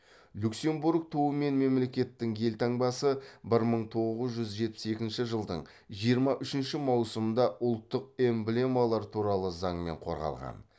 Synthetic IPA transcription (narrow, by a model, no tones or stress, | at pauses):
lʲukse̞mbuɾk̚t̪ʰowəme̞nme̞mle̞kʲe̞t̪ːɪŋje̞lt̪ʰɑɴbɑsəbɪɾməɴt̪ʰo̞ʁəzʒʏzʒe̞t̪̚pɪ̥se̞kʲɪnʃɪʒəlˠd̪ə̰ɴ | ʒijəɾmɑʔʏʃɪnʃɪmɑwsəmənd̪ɑʔʊlˠt̪ːəq̚e̞mble̞malˠɑɾt̪ʰuɾɑlˠəzɑɴme̞̰ɴqʰo̞̰ɾʁɑ̰lˠʁɑ̰n